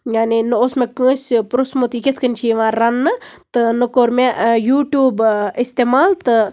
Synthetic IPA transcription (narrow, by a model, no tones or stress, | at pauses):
janinɨosmekə̃ːsʲpɾosmut̪iket̪ʰkənʲt͡ʃʰiʋãːɾːɐnːɨt̪ɨnɨkoːɾmejuːʈjuːbist̪eːmaːlt̪ɨ